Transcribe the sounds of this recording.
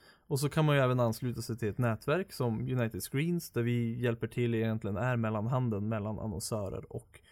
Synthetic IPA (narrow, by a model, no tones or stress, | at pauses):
ɔs̬ɔkʰanmanjɵɛːvənanːslʉːt̪asɛjt̪ʰɪlɛt̪nɛːt̪væɾksɔmjɵnajt̪ɪd̪skɾiːnsd̪æɾvɪjɛlpəʈʰɪlːɪjɛnt̪lɪɡənæɾmɛlːanɦand̪ənmɛlːana̰nɔ̰nsœːɾə̰ɾɔ̰k